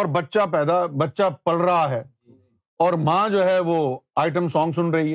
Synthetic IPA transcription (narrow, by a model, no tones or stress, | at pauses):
ɔːɾbɐtːʃapɛːd̪abɐtːʃapɐlɾɐɦaɦɛː | ɔːɾmãd͡ʒoːɦɛʋoaːɪʈ̬əmsɔ̃ːŋɡsʊnɾɐɦiɦɛː